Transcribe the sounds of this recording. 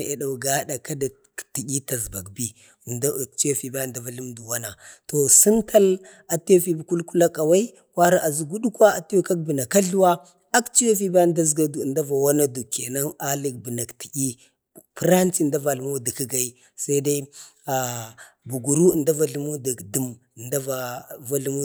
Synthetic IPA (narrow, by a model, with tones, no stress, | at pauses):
e˨da˨u˨ɡa˦da˨ka˦da˨ | ti˨ɡʲi˦ta˨zba˨k̚bi˦˨˦ | t͡ʃi˦ja˦fi˨ba˦˨da˦va˨ɬi˦mdu˨wa˦na˨to˨si˦ntʰa˦l | a˨to˦fi˦bi˨ku˦lku˦la˦ka˨wa˦i˦ | kʷwa˦ɾa˦ʔa˨zu˨ɡu˦du˦kwa˦a˨ti˦jo˦ka˦k̚bi˨na˨ka˦ɬu˦wa˦ | a˦kt͡ʃi˦ja˦fi˦ba˦˨da˦zɡa˦˨nda˦va˨wa˦na˦du˨ki˨a˨na˦a˦li˨k̚bi˨na˨kti̥˨ʔi˦ | pi˦ɾa˦nt͡si˦˨da˦va˨lmo˦di˨kə˦ɡa˦i˦ | sa˦i˦da˦i˦ | a˨bu˨ɡu˨ɾu˦˨nda˦va˨ɮu˦mu˦di˨di˨m˨ | nda˦va˨va˦ɬu˦mu˦